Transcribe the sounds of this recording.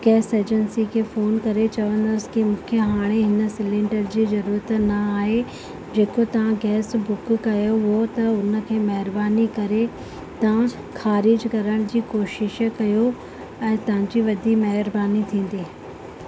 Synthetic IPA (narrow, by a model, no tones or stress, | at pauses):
ɡ̥ɛːseːd͡ʑənsikʰeːfoːnkɐɾet͡ɕɐʋə̃nd̪əskimũːkʰjəɦaːɽ̃eɦɪnə̆sɪlɪ̃ɳɖəɾd͡ʑiːzɐɾuːɾət̪nɐaːɦe | d͡ʑeːkot̪ɐʋ̤ãɡɛːsbʊkkɐjoɦʊot̪ɐʊnə̆kʰeːmɐɦɪɾbaːnikɐɾe | t̪ɐʋ̤ã | xaːɾɪd͡ʑkɐɾəɽ̃d͡ʑiːkoːʃɪʃkɐjo | ɛ̃ːt̪ɐʋ̤ãɲd͡ʑiːʋɐd̪ʱimɐɦɪɾbaːnit̪ʰĩːn̆d̪iː